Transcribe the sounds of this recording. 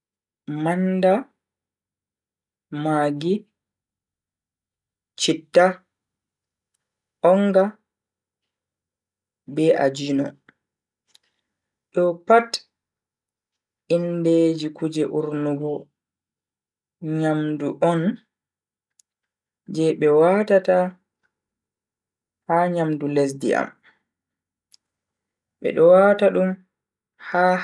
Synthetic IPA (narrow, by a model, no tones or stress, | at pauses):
manda | maɡi | t͡ʃitːa | ʔɔŋɡa | bɛʔa̰d͡ʒinɔ | ɗɔpat | inded͡ʒikud͡ʒɛʔuɾnuɡɔ | ɲamduʔɔn | d͡ʒɛɓɛwaːtata | haɲamdules̬dḭa̰m | ɓɛ̰ɗɔwaːtaɗum | ha